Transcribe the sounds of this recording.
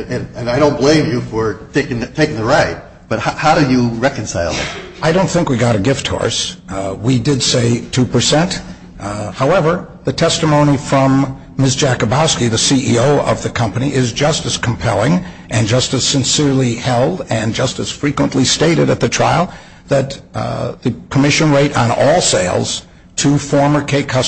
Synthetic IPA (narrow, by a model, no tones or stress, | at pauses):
ɨ̃nɨ̃naɪɾõʊ̃nb̥lẽɪ̃mjɨfə˞tʰeɪkɪ̃ŋɨtʰeɪkɪ̃ŋðɨɹaɪt̚ | b̥ʌt̚haʔhaʊɾɨjɨɹɛkɨ̃nsaɪlˠðɨ̰t̚ʔaɪɾõʊ̃nθɪ̃ŋkwiɡɑɾɨɡɪft̚hɔ̰ɹswidɨdseɪtʰʉpə˞sɛ̃nt | haʊɛvə˞ | ðɨtʰɛstəmõʊ̃ñifɹʌ̃mː | ɪs̬d̥ʒ̥ækəbɑskiðɨsiʔioʊʌ̰vðɨkʰʌ̃mpəniʔɪzd͡ʒʌstɨz̥kʰm̩pʰɛ̰lˠɪ̃ŋ | ʔɨ̃nd͡ʒʌstɨz̥sɨ̃nsɪɹlˠihɛlˠdɨ̃nd͡ʒʌstɨz̥fɹikwə̃nʔlisteɪɾɨɾɨt̪̚ðɨtʰɹ̥a̰ɪlˠ | ðɨt̪̚ðɨkʰəmɪʃɨ̃nɹeɪɾn̩ɔlˠseɪlˠz̥ | tʰɨfɔɹmə˞kʰeɪkʰʌ